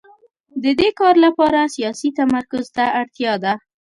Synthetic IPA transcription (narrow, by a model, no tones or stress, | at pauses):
d̪əd̪ekɑɾlapɑɾasijɑsit̪amaɾkʊzt̪aaɽt̪jɑd̪a